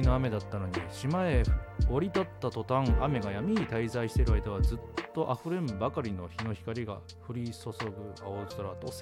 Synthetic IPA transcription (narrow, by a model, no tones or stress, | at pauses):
ino̞ame̞d̪at̪ːano̞ɲ̟iɕimae̞oɾʲit̪at̪ːat̪o̞t̪ãŋame̞ɡajamʲiɲit̪aizaiɕi̥t̪e̞ɾɯ̟aid̪aβ̞azɨt̪ːo̞ʔaɸɯ̟ɾẽ̞mbakaɾʲino̞çino̞çi̥kaɾʲiɡa̰ | ɸɯ̟ɾʲiso̞so̞ɡɯ̟aot̪oɾat̪os